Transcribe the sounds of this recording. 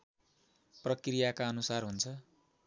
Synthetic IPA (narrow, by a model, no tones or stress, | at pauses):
prʌkrijakaʌnusarɦunt͡sʰʌ